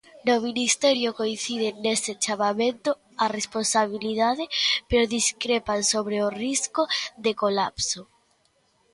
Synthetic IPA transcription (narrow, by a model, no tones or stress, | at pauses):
nominist̪ɛɾjokoin̟θið̞eneset͡ʃamamẽnt̪o | aresponsaβiliðaðɪpeɾoðiskɾepansoβɾeoriskoðekolapso